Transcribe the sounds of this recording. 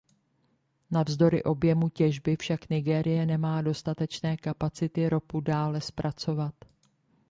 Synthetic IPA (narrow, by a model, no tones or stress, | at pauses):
navzdo̞ɾɪʔo̞bjɛmucɛʒbɪfʃaknɪɡɛːɾɪjɛnɛmaːdo̞st̪at̪ɛt͡ʃnɛːkapat͡sɪt̪ɪɾo̞pudaːlɛspɾʔat͡so̞vat̪